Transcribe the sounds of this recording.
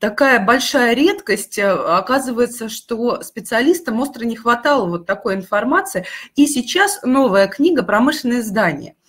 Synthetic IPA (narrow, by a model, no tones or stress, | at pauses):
t̪ɐkajəbɐlʲʂajəɾʲe̞t̪kəsʲtʲɐkazɨvəjɪt̪səʂt̪o̞spʲɪt̪sɨɐlʲist̪əmo̞st̪rənʲɪxvɐt̪ɑlˠəvo̞t̪ːɐko̞jɪnfɐrmat̪sɨɪisʲɪt͡ɕːasno̞vəjəknʲiɡəpɾɐmɨʂlʲɪnəjəzd̪anʲɪ̰jə̰